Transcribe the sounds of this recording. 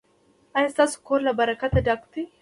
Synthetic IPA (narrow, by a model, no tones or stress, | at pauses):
ɐjɐst̪ɐskolɐbɐɾɐkɐt̪ɐd̪akt̪ɪ